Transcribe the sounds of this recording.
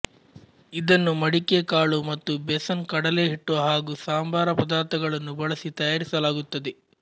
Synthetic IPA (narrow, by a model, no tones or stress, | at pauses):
id̪ɐnːumɐɽikekaːɭumɐt̪ːubesɐnkɐɽɐle̞ːɦiʈːuʋɐɦaːɡusaːmbʱaːɾɐpɐd̪aːɾt̪ɐɡɐɭɐnːubɐɭɐsit̪ɐjaːɾisɐlaːɡut̪ːɐd̪e